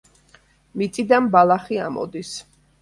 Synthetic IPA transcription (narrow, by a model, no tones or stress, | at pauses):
mit̪sʼid̪anbalˠaχia̰mɔ̰d̪is